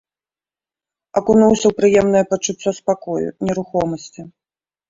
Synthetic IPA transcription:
ɐkunuwsʲɐwpɾɨjɛmn̪ɐjɛpɐt͡ʂːut͡s̪ʲːɔspakɔjṵnʲɛɾuxɔmɐsʲt͡sʲi

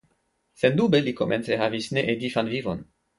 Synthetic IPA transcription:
sendubelikomʔḛnt͡seɦavisneʔedifanvivo̰n

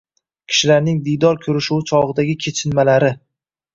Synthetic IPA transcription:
kʲʰɪ̥ʃɪlaɾnɪŋd̪ijd̪ɒɾkʲʰɵɾɪʃuwɪt͡ʃʰɒʁɨd̪aɡʲɪkʲʰet͡ʃʰɪnmalaɾɪ

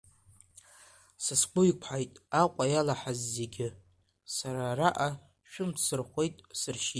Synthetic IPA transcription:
sɨskʷʊjkʷʰħajtʼaqʷʼajalaħazːe̞ɡʲɪ | saɾaraʔa | ʃᶣʊmpʰsɨrχʷe̞jtʼsɨrʃi

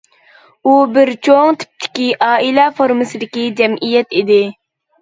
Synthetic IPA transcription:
ubɪɾt͡ʃʰoŋt̪ʰɪ̥p̚t̪ʰɪ̥kʲiʔɑːilɛfoɾmɨsɨd̪ɪkʲid͡ʒɛmʔijɛt̪id̪ɪ

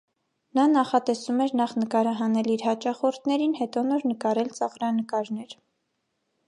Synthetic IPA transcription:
nɑnɑχɑt̪ɛsumɛɾnɑχnəkɑɾɑɦɑnɛliɾhɑt͡ʃɑχɔɾt̪ʰnɛɾinhɛt̪ɔnɔɾnəkɑɾɛlt͡sɑʁɾɑnəkɑɾnɛɾ

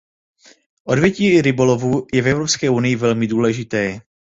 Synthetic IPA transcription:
ʔo̞dvjɛciːɾɪbo̞lo̞vuːjɛvɛvɾo̞pskɛːʔunɪjɪvɛlmɪduːlɛʒɪt̪ɛː

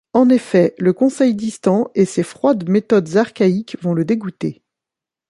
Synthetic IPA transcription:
ɑ̃nefɛləkɔ̃sɛjd̪ist̪ɑ̃esefχwad̪met̪ɔd̪zaʁkʲaikvɔ̃ləd̪eɡut̪e

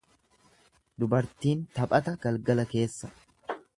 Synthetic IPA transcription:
d̪ʊbɐɾt̪iːnt̪ɐpʼɐt̪ɐɡ̥ɐlɡɐlɐke̞ːsːɐ

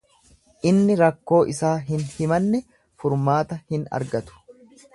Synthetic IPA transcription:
ʔɪnːɪɾɐkːo̞ːʔɪsaːɦɪnhɪmɐnːɛ | fʊɾmaːt̪ɐhɪnɐ̰ɾɡɐt̪ʊ̥

